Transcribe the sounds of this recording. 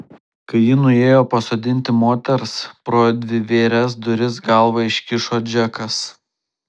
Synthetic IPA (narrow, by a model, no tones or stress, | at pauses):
kɐɪjɪnʊeːjoːpɐsoːd̪ʲɪnʲt̪ʲɪmoːt̪ʲɛɾspɾoːd̪ʲʋʲɪʋʲeːɾʲɛsd̪ʊɾʲɪs̬ɡɐˑlˠʋɐɪʃʲkʲɪʃoːd͡ʒʲɛkɐs